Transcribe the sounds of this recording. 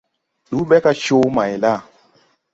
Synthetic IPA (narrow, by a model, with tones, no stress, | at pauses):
ɗu˨˦ɓɛ˦ka˦ʃo˦ma˨jla˦˨